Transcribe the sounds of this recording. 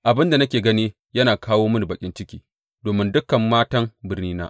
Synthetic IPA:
ʔa˨bɪ˦nda˨nɐ˦kʲeː˨ɡɐ˦niː˦ | jɐ˦naː˨kʰaː˦woː˦mʊ˦n˨bɐ˨kʲʼɪ˦nt͡ʃɪ˦kʲiː˦ | doː˨mɪ˦ndʊ˦kɐ˨mːaː˦tɐ˦ŋbɪ˦rniː˦na̰ː˦ʔ

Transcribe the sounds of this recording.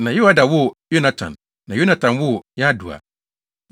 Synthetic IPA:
nã˨jɪ˦a˦da˨wʊ˦jo˦nã˦tʰã̰˨nː | ã˨jo˦nã˦tʰã˨nwʊ˦jɛ˦a˦du˨a̰˨

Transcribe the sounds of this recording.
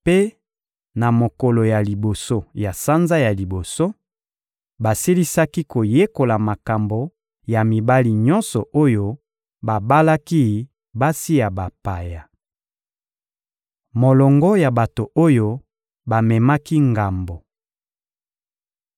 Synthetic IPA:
pe˦ | na˨mo˨kɔ˨lo˨ja˨li˨bo˨so˦ja˨sa˦nza˦ja˨li˨bo˨so˦ | ba˨si˦li˦sa˦ki˦ko˨je˦ko˨la˨ma˨ka˨mbo˨ | ja˨mi˨ba˦li˨ɲɔ˦nsɔ˨ʔo˦jo˦ | ba˨ba˦la˦ki˦ | ba˦si˦ja˨ba˨pa˨ja˨ | mo˨lɔ˨ŋɡɔ˦ja˨ba˨to˨ʔo˦jo˦ | ba˨mɛ˨ma˦ki˦ŋɡa˨mbo˨

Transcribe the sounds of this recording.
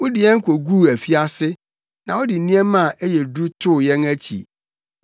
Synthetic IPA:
wʊ˦dɪ˨jɛ̃˦ŋ̩˦kʷʰo˨ɡu˦˨æ˨fi˦a˦sɪ˦ | nã˨ɔ˦dɪ˨n̩˨nĩ˦ɛ˦mã˦˨ʔe˦jɛ˨du˦tʰʊ˦˨jɛ̃˦næ˦t͡ɕʰḭ˨

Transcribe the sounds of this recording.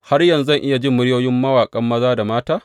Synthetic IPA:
ha˦rjɐ˨nzɐ˦˨ŋʔɪ˦ja˨d͡ʒɪ˦mːʊ˦ɽjoː˦jɪ˦mːɐ˦waː˨kʼɐ˦mːɐ˦zaː˦da˨maː˦taː˦

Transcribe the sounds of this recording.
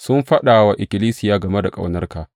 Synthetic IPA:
sʊ˦mɸɐ˦ɗaː˨wa˦ʔɪ˨kʲɪ˨liː˦sɪ˨jaː˦ɡɐ˨me˦da˨kʼa̰˨wnɐ˦rkaː˨

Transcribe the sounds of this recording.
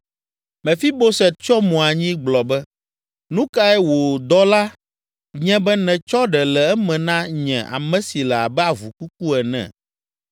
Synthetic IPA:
mɛ̃˨fi˦bo˦sɛ˨t͡ʃɔ˦mɔ̃˨a˨ɲĩ˦ɡ͡blɔ˨bɛ˦ | nũ˦ka˦ɛ˦wo˨d̪ɔ˦la˦ | ɲɛ̃˦bɛ˦nɛ̃˨t͡ʃɔ˦ɖɛ˨lɛ˨ɛ˦mɛ̃˨nã˦ɲɛ̃˨ʔa̰˨mɛ̃˦si˨lɛ˨a̰˨bɛ˦a˨vu˨ku˦k̚u˦ɛ˨nɛ̰̃˨

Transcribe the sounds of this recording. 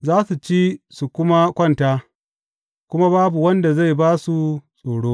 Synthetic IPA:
zaː˦su˨t͡ʃiː˦su˨kʷʊ˦ma˦kʷɐ˦˨ntaː˦ | kʷʊ˦ma˦baː˦bu˨wɐ˦nda˨za˦˨jbaː˦su˨sʼoː˨ɽoː˦

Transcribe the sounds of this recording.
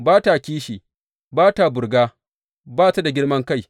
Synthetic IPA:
baː˦ta˨kʲiː˦ʃiː˨ | baː˦ta˨bʊ˨ɾɡaː˦ | baː˦ta˦da˨ɡʲɪ˦ɽmɐ˦ŋka˦j

